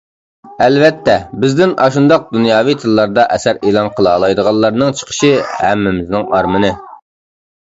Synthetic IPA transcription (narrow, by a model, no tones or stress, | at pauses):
ɛlvɛt̪ʰːɛbɪzd̪ɪnɑʃund̪ɑq̚d̪unjɑːvijt̪ʰɨlˠːɑɾd̪ɑʔɛsæɾelˠɑnqʰəlˠɑːlˠɑjd̪əʁɑlˠːɑɾnɨŋt͡ʃʰə̥qʰə̥ʃihæ̰mːɪmɪznɪŋɑɾmɨnɨ